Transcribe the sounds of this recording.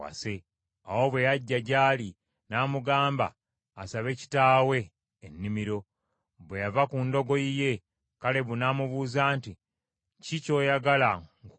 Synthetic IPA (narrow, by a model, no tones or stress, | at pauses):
wa̰se | awo̞βwe̞jaɟːaɟaːli | naːmuɡaːmba̰ː | saβe̞ci̥taːwe̞ː | nːimiɾo̞ | βwejavakundo̞ɡo̞jije̞ | kale̞βunamuβuːzaːnti | cico̞ːjaɡalaŋ